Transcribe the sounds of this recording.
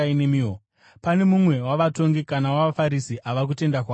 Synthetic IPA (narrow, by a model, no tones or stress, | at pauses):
ainemiːo | pane̞mumwe̞waʋato̞ŋɡikanawafaɾisiʔaʋak̬ute̞ndakwaː